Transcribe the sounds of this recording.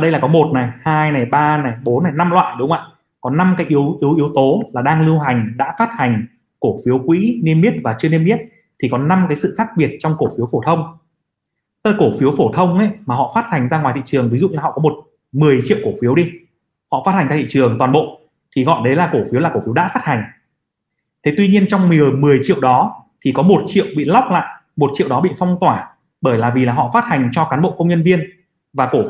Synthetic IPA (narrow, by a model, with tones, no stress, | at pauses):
ɗə˧jlaː˨˩kɔ˨˦mo˨˩t̚na˨˩jhaː˧jna˨˩jɓaː˧na˨˩jɓo˨˦nːa˨˩jna˧mlwa̰ː˧˨jɗʊ˨˦ŋ͡mʔa̰ː˧˨j | kɔ˨˦na˧mkaː˨˦jʔi˨˦əwʔi˨˦wʔi˨˦əwt̪o˨˦laː˨˩ɗaː˧ŋlɨ˧wɦa˨˩jŋ̟ɗa̰ː˧˥faː˦˥t̚ha˨˩ŋ̟ | ko˧˩fi˨˦əwkwḭ˧˥nie˧mi˦˥t̚vaː˨˩t͡ɕɨ˧əne˧mːi˦˥ət̚ | t̪ʰi˨˩kɔ˨˦na˧mkaː˨˦jsɨ̰˧˨xaː˦˥k̚ɓi˨˩ət̚t͡ɕɔ˧wŋ͡mko˧˩fi˨˦əwfo˧˩t̪ʰə˧wŋ͡m | lko˧˩fi˨˦əwfo˧˩t̪ʰə˧wŋ͡mʔə˨˦jmaː˨˩ɦɔ̰˧˨faː˦˥t̚ha˨˩jŋ̟zaː˧ŋwaː˨˩jt̪ḭ˧˨t͡ɕɨ˨˩əŋvi˨˦zṵ˧˨ɲaː˨˩hɔ̰˧˨kɔ˨˦mo˨˩t̚ | mɨ˨˩əjt͡ɕḭ˧˨əwko˧˩fi˨˦əwɗi˧ | hɔ̰˧˨faː˦˥t̚ha˨˩ŋ̟t̪a˧˨t̪ʰḭ˧˨ɨ˨˩əŋt̪waː˨˩nɓo̰˧˨ | t̪ʰi˨˩ɣɔ̰˧˨jɗə˨˦jlaː˨˩ko˧˩fi˨˦wlaː˨˩ko˧˩fi˨˦ə˦wɗa̰ː˧˥faː˦˥t̚ha˨˩ŋ̟ | t̪ʰe˨˦t̪wi˧ɲi˧ənt͡ɕɔ˧wŋ͡mmi˨˩ə˨˩mɨ˨˩əjt͡ɕḭ˧˨əwɗɔ˨˦t̪ʰi˨˩kɔ˨˦mo˨˩t̚t͡ɕḭ˧˨əwɓḭ˧˨la˦˥k͡p̚la̰ː˧˨j | mo˨˩t̚t͡ɕḭ˧˨ə˨wɗɔ˨˦ɓḭ˧˨fɔ˧wŋ͡mt̪waː˧˩ | ɓəː˧˩jlaː˨˩vi˨˩aː˨˩ɦɔ̰˧˨faː˦˥t̚ha˨˩jŋ̟t͡ɕɔ˧kaː˨˦nɓo̰˧˨kə˧wŋ͡mɲə˧nvi˧ən | vaː˨˩ko˧˩